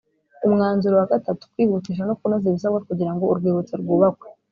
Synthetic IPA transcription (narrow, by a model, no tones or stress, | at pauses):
umŋaːnzuɾowaɡatatu̥kwiːβutiʃ̬anokunoziβis̬aβɡakuɟiɾaŋɡo̞uɾɡwiːβut͡seɾɡuːβakwe